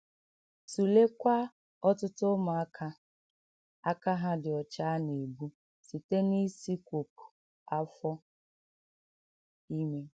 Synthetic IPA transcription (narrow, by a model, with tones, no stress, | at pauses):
su˨le˦kʷa˦ | ɔ˦tʊ˦tʊ˦mʊ˨a˦kʰa˦ | a˦ka˦ɦa˦dɪ˨ɔ˨t͡ʃa˦ne˨bu˦ | si˨te˦ni˦si˦kʷo˨pu̥˨ | a˦fɔ˦ | i˦me˦